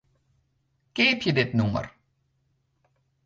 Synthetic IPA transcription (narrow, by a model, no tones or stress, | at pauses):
keːpʰjədɪtnumə̰r